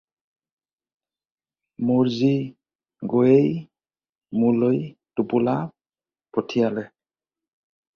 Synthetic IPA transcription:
muɹzi | ɡojej | mulojtupula | pʰɔtʰijalɛ

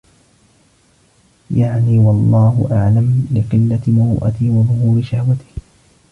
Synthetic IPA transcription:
jaʕniːwɑlˤːɑːhʊʔaʕlamlɪqɨlːamawʔa̰t̪ɪwɑðˤʊhuːɾɪʃahwat̪ɪ̥h

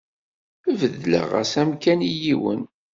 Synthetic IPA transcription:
əvəðlə̰ʁæ̰sæmkænijiwə̰n

